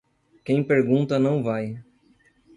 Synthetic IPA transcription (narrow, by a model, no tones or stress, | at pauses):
kẽj̃peɾɡũnt̪ɐnɐ̃w̃vaj